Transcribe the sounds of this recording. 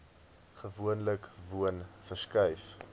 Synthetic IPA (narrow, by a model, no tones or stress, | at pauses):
χəvuənləkvuənfərskɛjf